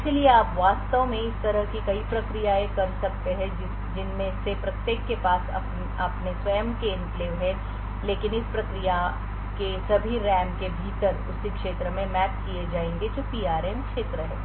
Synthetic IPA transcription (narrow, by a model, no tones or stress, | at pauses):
ɪskelieaːpʋaːst̪əõmẽɪst̪ɐɾəɦkikɐipɾɐkɾijaẽkɐɾsɐk̚t̪eɦɛ̃ | d͡ʒɪnmẽsepɾɐt̪jeːkːepaːsɐ̰ | ɐpnesʋɐjəmkeɪ̃mpleːʋɦɛ̃ | leːkɪnɪspɾɐkɾija | kesɐbʱiɾɛːmkebʱiːt̪əɾʊsikʃeːt̪ɾəmẽmɛːp̚kied͡ʒaːẽːŋɡed͡ʒoːpiːaːɾɛmkʃeːt̪ɾəɦɛ̰ː